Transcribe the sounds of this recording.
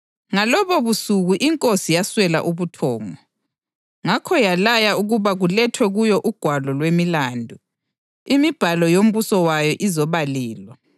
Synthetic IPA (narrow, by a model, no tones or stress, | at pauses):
ŋalɔβɔβusuɣuʔiŋkʼosijaswɛla̰ʔuβutʰɔːŋɔ | ŋakʰɔjalajauɣuβaɣulɛtʰwɛɣujɔʔuɡ̥ʱwalɔlwemilaːndʱu | imib̥ʱalɔjom̩βusɔwajɔʔizɔβalɛːlwa